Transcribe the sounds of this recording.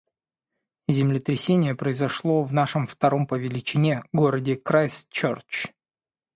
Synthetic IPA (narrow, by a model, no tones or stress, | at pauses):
zʲɪmlʲɪt̪ɾʲɪsʲenʲɪjəpɾəɪzɐʂlˠo̞vnaʂəmft̪ɐɾo̞mpəvʲɪlʲɪt͡ɕɪnʲeɡo̞ɾədʲɪkɾajst͡ɕort͡ɕ